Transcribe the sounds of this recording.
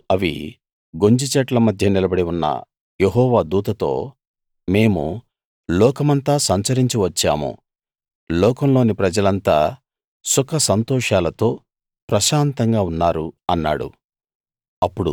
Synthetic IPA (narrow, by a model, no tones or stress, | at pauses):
ɐʋḭ | ɡo̞ɲd͡ʒit͡ʃɛʈlɐmɐd̪ʱjɐnilɐbɐɽiunːɐ̰ | jeɦɔːʋaːd̪uːt̪ɐt̪o̞̰ː | me̞ːmṵ | lɔːkɐmɐnt̪aːsɐɲt͡ʃɐɾiɲt͡ʃiʋɐt͡ʃːa̰ːmṵ | lɔːkɐmloːnipɾɐd͡ʒɐlɐnt̪a̰ː | sɔkʰɐsɐnt̪ɔːʂaːlɐt̪o̞ː | pɾɐʃaːnt̪ɐŋɡaːunːaːɾuɐnːa̰ːɽṵ | ɐpːuɽṵ